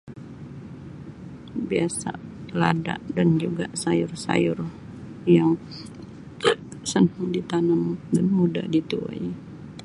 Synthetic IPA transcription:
biasa̰lada̰ʔdand͡ʒuɡasajʊrsa̰jʊr | jaŋ | sənhʊŋdit̪anəmdanmuda̰dit̪ua̰j

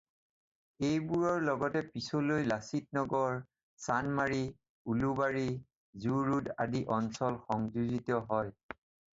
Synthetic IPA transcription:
ejbuɹɔɹlɔɡɔtɛpisolojlasit̚nɔɡɔɹ | sanmaɹi | ulubaɹi | zuɹuda̰diʔɔnsɔlxɔŋzuzitɔɦɔj

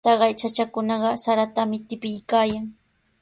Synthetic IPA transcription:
t̪ɑɢɑjt͡ʃat͡ʃakʊnɑɢɑsaɾat̪amɪt̪ɪpɪjkaːjaŋ

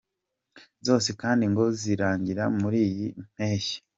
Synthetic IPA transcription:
zo̞ːsekaːndiŋɡo̞ziɾaːɲɟiɾamuɾiːjim̥eːʃi̥

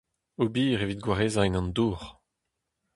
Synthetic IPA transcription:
obiːʁevit̚ɡwaʁeːzaɛnɑ̃nd̪uːʁ

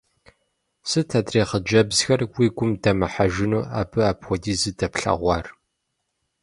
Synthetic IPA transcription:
sɨtʰɐdreːχəd͡ʒɐbz̥xɐrwiːɡʷʊmdɐmɨħaʒɪnuːa̰ːbɨaːpxʷɔdiːzɨdɐpɬɐ̰ʁʷɑːr

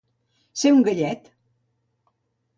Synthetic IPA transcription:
seŋɡəʎɛt̪

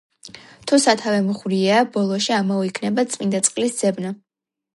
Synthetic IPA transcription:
t̪ʰusat̪ʰavɛmχɾiabɔlˠɔʃiamɔikʰnɛbat̪sʼmind̪at̪sʼqʼlisd̪z̥ɛbna

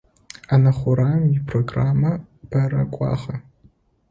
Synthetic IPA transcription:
anɐχʷʊɾaːmipʰroɡraːmɐ | bʰɐɾɐ̰kʷʼɑ̰ːχɐ

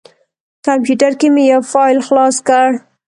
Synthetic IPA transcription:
kampjuʈaɾkemejawfɑjlxlɑskaɽ

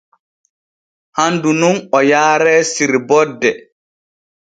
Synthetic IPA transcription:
handununɔjaːɾɛːsiɾbɔdːɛ

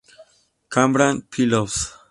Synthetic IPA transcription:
kambɾanpʰilofs

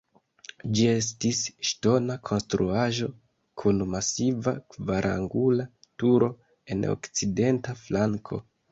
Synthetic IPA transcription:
d͡ʒie̞s̬tisʃto̞nakʰo̞nstɾuaʒo̞ | kʰunmasiva̰kvaɾʔa̰ŋɡula | tuɾo̞ | e̞no̰kt͡side̞ntaflaŋkʰo̞̰

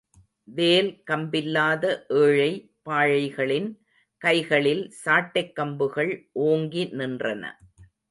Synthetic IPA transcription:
ʋeːlkɐmbɪlːaːðɐʔeːɻɐɪ | paːɻɐɪɣɐɭɪn | kɐɪɣɐɭɪlsaːʈːɐɪkːɐmbɯɣɐɭʔoːŋɡinɪndrɐnɐ̰

